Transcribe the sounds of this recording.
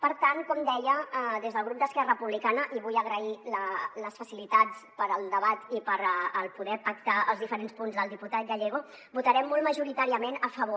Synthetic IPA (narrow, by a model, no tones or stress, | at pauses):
pəɾt̪ankɔmd̪ɛʎəðezðəlˠɣ̞ɾup̚d̪əskɛrəəpuβlikanəʔiβujəɣɾəilələsfəsilit̪at͡sspəɾəlˠd̪əβat̪ipəɾəlˠpuðɛpək̚t̪aəlˠzðifəɾenspunzðəlˠd̪iput̪at̪̚ɡəʎeɣ̞o | but̪əɾɛmːɔlˠməʒuɾit̪aɾiəmenəfəβo